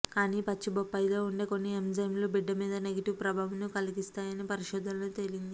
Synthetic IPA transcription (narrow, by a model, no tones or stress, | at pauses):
kaːniːpɐt͡ʃːibopːɐjloːuɳɖeːko̞nːiemd͡ʒɐjmloːbiɖːɐmiːd̪ɐne̞ɡɐʈiʋpɾɐbʱaːʋɐnukɐliɡist̪aːjɐnipɐɾiʃɔːd̪ʱɐnloːt̪e̞lind̪i